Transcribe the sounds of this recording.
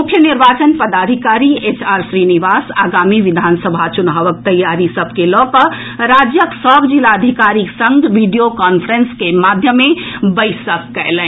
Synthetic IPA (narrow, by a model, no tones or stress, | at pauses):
mʊkʰjəniɾʋaːt͡ʃənpəd̪aːd̪ʱikaːɾiet͡ʃʰaːɾsɾiniʋaːsaːɡaːmiʋid̪ʱansəbʱat͡ʃʊnɦaʋək̚t̪əjːaɾisəb̚ʱkelɔːkə | ɾad͡ʒjəksɔːbd͡ʒilaəd̪ʱikaɾiksə̃ŋɡʋiɖijokaːnpʰəɾənskemad̪ʱjəmːẽbəɪsəkːɛlɛ̃